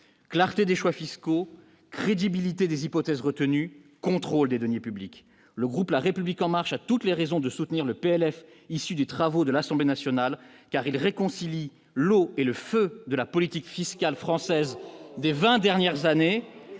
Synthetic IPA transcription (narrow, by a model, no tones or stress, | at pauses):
klaʁt̪ed̪eʃwafisko | kχed̪ibilit̪ed̪ezipɔt̪ɛzʁət̪ənykɔ̃t̪χold̪ed̪ɔnjepyblik | ləɡʁuplaʁepyblikɑ̃maʁʃat̪ut̪leʁɛzɔ̃d̪əsut̪niʁləpeɛlɛf | isyd̪et̪χavod̪əlasɑ̃blenasjɔnalkaʁilʁekɔ̃sili | loeləfød̪əlapɔlit̪ikfiskʲalfχɑ̃sɛzd̪evɛ̃d̪ɛʁnjɛʁzane